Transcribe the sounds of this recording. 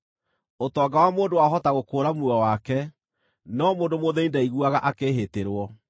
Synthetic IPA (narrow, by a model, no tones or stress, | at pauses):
otɔːɡawamoːndowaɦɔtaɣokoːɾamuɔwakɛ | nɔmoːndomoðɛindaiɣuaɣa̰ʔakeːɦeteɾwɔ